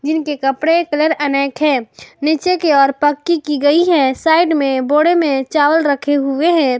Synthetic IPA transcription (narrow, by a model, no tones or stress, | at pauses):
d͡ʒɪnkekəpɽekələɾənəːkɦɛ̃ːnɪt͡ʃekeɔːɾpəkːikiɡəiɦɛsaːɪɖmẽboːɽemẽt͡ʃaːwəlɾəkʰeɦueɦɛ̃